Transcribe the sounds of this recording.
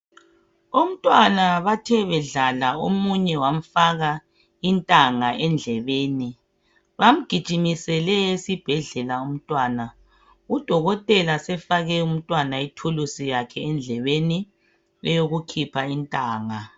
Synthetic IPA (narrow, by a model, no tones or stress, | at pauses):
om̩tʼwanaβatʰɛβɛɮalaomuɲɛwam̩faɣa | intʼaŋaʔɛnd͡ɮʱɛβeːni | βam̩ɡ̥ʱid̥ʒ̥ʱimisɛlɛesib̥ʱɛɮɛlaum̩tʼwaːna | ud̥ʱɔɣɔtʼɛlasɛfaɣɛum̩tʼwanaitʰulusijakʰɛːnd͡ɮʱɛβeni | lɛjoɣukʰipʰaintʼaːŋa